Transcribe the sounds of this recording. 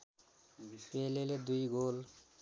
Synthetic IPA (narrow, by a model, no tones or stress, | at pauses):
peleled̪ujɡol